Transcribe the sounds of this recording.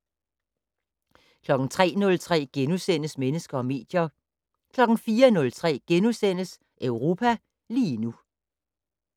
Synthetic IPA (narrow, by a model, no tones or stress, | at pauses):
kʰlɒ̽ɡ̥n̩t͡sʰʁɛ̰ːnɔ̽lt͡sʰʁɛ̰ːɡ̥enusen̰əsmenəsɡ̥ɐɒ̽me̝̰ːd̥jɐ | kʰlɒ̽ɡ̥n̩fiːɐnɔ̽lt͡sʰʁɛ̰ːɡ̥enusen̰əs | ʔœʊʁo̝ːpʰæ | liːnu